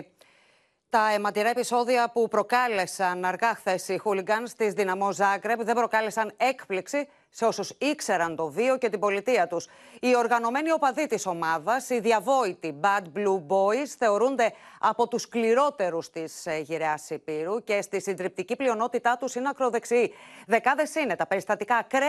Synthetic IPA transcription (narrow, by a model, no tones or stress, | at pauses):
t̪ɐe̞mɐt̪iɾɐepiso̞ðiɐpupɾo̞kɐle̞sɐnɐɾɣɐxθe̞sixuliɡɐnst̪izðinɐmo̞zɐɡɾe̞pðe̞bɾo̞kɐle̞sɐne̞kpliksi | seo̞susikse̞ɾɐnt̪o̞vio̞ce̞t̪ibo̞lit̪iɐt̪us | io̞ɾɣɐno̞me̞nio̞pɐðit̪iso̞mɐðɐsiðiɐvo̞it̪ibɐd̪̚blubo̞isθe̞o̞ɾund̪e̞ɐpo̞t̪uskliɾo̞t̪e̞ɾust̪isʝiɾeɐsipiɾuce̞st̪isind̪ɾip̚t̪iciplio̞no̞t̪it̪ɐt̪usineɐkɾo̞ðe̞ksiiðe̞kɐðe̞sine̞t̪ɐpe̞ɾist̪ɐt̪ikɐkɾe